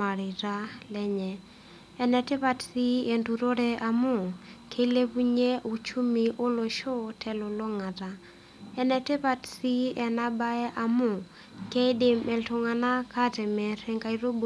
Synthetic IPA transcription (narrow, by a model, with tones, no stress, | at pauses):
a˨ɾi˨ɾa˦lɛ˦ɲɛː˨˦ | nɛ˨tɪ˦pa˨tsi˦e˨ntu˨ɾo˦ɾɛ˦ʔa˨mʊ˨kʰe˦le˦pu˦ɲe˦ʔu˨t͡ʃu˦mi˨ʔo˦lo˨ʃo˦tʰɛ˨lɔ˨lo˦ŋa˨ta˨ | ɛ˦nɛ˨tɪ˦pa˨tsi˦ɛ˨na˦ba˦ɛ˦ʔa˨mʊ˦˨ | ke˦i˦de˨mɛ˨ltʊ˨ŋa˨na˦ka˦tɛ˨mɛ˨ɾɛ˦ŋka˦i˦ɾo˦b